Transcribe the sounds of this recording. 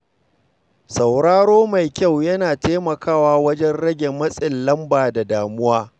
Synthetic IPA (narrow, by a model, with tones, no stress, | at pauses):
sa˨wɽaː˦ɽoː˦ma˨jkʲa˦˨wjɐ˦naː˨teː˦mɐ˨kaː˦waː˦wɐ˦d͡ʒɛ˦nɽɐ˦ɡʲe˨mːɐ˦sʼɪ˨nlɐ˦mbaː˨da˨daː˨mʊ˦waː˦